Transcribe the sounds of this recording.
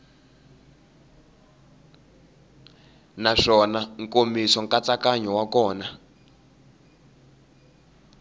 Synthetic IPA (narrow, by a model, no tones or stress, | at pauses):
naʂɔnaŋkomisɔŋkat͡sakaɲɔwakɔːna